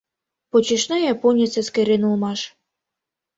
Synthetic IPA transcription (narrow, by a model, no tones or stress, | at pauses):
pot͡ɕiʃnɑjɑponʲit͡seskeɾʲenulmɑʃ